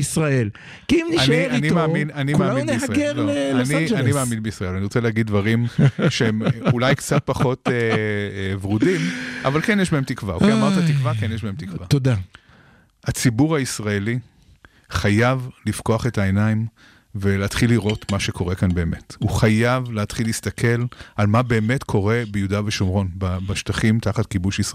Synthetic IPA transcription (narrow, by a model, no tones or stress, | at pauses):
isʁael | kiimnianinimaːminanimaːminisʁɡeloanianimaːminbiisʁaelaniʁot͡seleaɡid̪̚vaʁimʃeemulajkt͡sat̚paχo̞te | vʁudima̰valkenjɛʃbahemt̪ikva̰ukiamaʁt̪at̪ikvakenjeʃbahemt̪ikvvat̪od̪a | hat͡sibuʁhaisʁae̞li | χajavlifko̞aχe̞taenaim | veleːtχilːiʁo̞tmaʃekʰo̞ʁe̞kanbe̞ːme̞tuχajavleatχilːist̪akʰe̞lalmabe̞ːmetkʰo̞ʁe̞bejudaveʃomʁo̞nbabaʃtaχimtaχatkibuʃis